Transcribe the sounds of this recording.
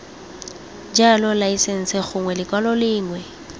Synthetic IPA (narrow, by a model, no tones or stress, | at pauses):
d͡ʒalɔlaisen̩sɪχʊŋwɛlɪkʼwalɔlɪːŋwɛ